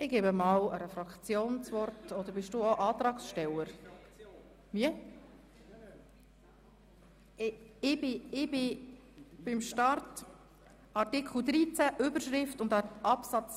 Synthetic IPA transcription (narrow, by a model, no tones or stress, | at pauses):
ɪɡeːbəmɑːwəɾɛfɾɑkt͡sjoːnt͡svɔrtɔd̪əɾbɪʃd̥uoʔɑːt̪ɾɑːksʃtɛləɾ | viə | ɪbɪɪb̥ɪ | b̥ɪmʃtɑrt | ɑɾtɪkʰl̩ˠd̪ɾiːt͡sæʔʏbəɾʃɾɪftʊnd̪ɑɑpsɑt͡s